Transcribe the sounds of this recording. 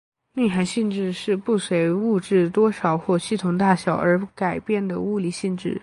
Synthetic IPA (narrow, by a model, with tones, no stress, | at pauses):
ni˥˩xa˧˥nɕi˥˧nʈ͡ʂɻ̩˥˧ʂɻ̩˥˧pu˥˩swe˧˥ɪu˥˧ʈ͡ʂɻ̩˥˩t̪wɔ˥ʂɑ˨˩ʊxwɔ˥˧ɕi˥˩t̪ʰʊ˧˩ŋt̪a˥˩ɕjɑ˨˩ʊʔə˞˧˥ka˨˩ɪpjɛ˥˩nd̪ə˩u˥˧li˧˥˩ɕi˥˧nʈ͡ʂɻ̩˥˩